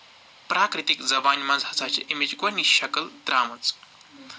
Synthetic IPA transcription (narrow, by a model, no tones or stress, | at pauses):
pɾaːkɾit̪ikd͡zɐbaːnmaːd͡zhɐt͡saːt͡ɕḛʔimit͡ʃɡʋɐniɕɐkəld̪ɾaːmɐt͡s